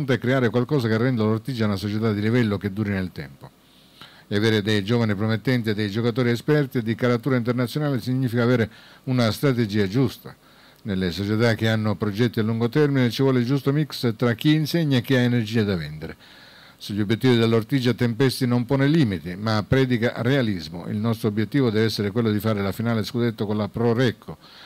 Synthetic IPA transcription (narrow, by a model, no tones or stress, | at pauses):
nt̪oɛkːɾeaːɾekwalkɔːsakerːɛnd̪alort̪id͡ʒːaunasot͡ʃet̪ad̪ːilivɛlːok̟ed̪ːuːɾinelt̪ɛ̰mpo | eaveːɾed̪ejd͡ʒɔːvanipɾomet̪ːɛnt̪iad̪ejd͡ʒokat̪̬ɔːɾiɛspɛrt̪ied̪ːikaɾat̪uːɾaint̪̬ernat̪sːjonaːlesiɲːiːfikaːveːɾeunast̪ɾat̪ed͡ʒiːad͡ʒust̪a | nelːesot͡ʃet̪ak̟ːeanːopɾod͡ʒɛt̪ːialːuŋɡot̪ɛrminet͡ʃivwɔːled͡ʒust̪omikst̪ɾak̟ːiːnsɛɲːak̟ːiaenerd͡ʒiːad̪avɛnd̪eɾe | seʎːobːjet̪ːiːvid̪elːort̪id͡ʒat̪empɛst̪inompɔːneliːmit̪imapːɾɛːd̪ikarealizmo̰ḭlnɔst̪ɾoobjet̪ːiːvod̪ɛːvɛsːeɾekwelːod̪ifaːɾelafinaːleskud̪et̪ːokonlapɾoɾɛkʰːo